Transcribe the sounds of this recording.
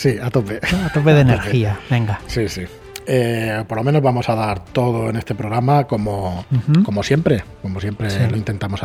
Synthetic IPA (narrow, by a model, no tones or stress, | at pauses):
siat̪opeat̪opeðeneɾiaβe̞ŋɡasisi | eopoɾlo̞mẽno̞zβamo̞saðaɾt̪o̞ð̞o̞e̞ne̞st̪e̞pɾo̞ɣɾamako̞moko̞mo̞sje̞mpɾeko̞mosje̞mpɾelo̞int̪e̞nt̪amo̞sa